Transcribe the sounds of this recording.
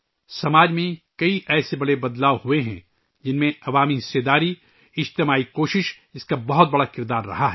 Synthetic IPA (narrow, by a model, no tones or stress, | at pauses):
sɐmaːd͡ʒmẽkɐiʔɛːsebɐɽebɐd̪laːʋɦueɦɛ̰̃ | d͡ʒɪnmẽɐʋaːmiɦɪseːd̪aːɾi | ɪd͡ʒt̪ɪmaːikoːʃɪʃ | ɪskabɐɦʊt̪̚bɐɽakɪɾd̪aːɾːɐ̰ɦaɦɛː